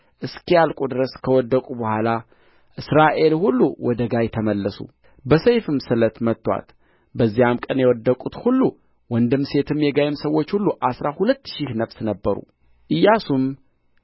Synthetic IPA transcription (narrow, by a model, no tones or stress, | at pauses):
ʔɨskʰjalkʼud̪ɨɾəskʰəwɔd̪ːəkʼubəhʷala | ʔɨsɾaʔe̞lhulːuwɔd̪əɡajɛt̪ʰəməlːəsṵ | bəsəjfɨmsɨlət̪mət̪ːwa̰t̪ | bəzːijamkʼənjɛwɔd̪ːəkʼut̪hulːu | wɔnd̪ɨmːse̞t̪ʰɨmjɛɡajɪmsəwːo̞t͡ʃːhulːuʔasɾahulət̪ːʃihnəfsnəbːəɾṵ | ʔɨjːasum